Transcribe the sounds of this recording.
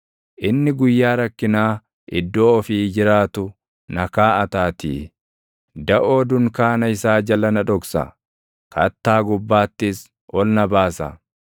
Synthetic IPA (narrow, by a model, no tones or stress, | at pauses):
ʔɪnːɪɡʊjːaːɾɐkːɪnaː | ʔɪd̪ːo̞ːɔfiːd͡ʒɪɾaːt̪ʊ | nɐkaːɐt̪aːt̪ḭː | d̪ɐʔoːd̪ʊŋkaːnɐɪsaːd͡ʒɐlɐnɐᶑɔksɐ̰ | kɐt̪ːaːɡʊbːaːt̪ːɪs | ʔɔlnɐbaːsɐ̰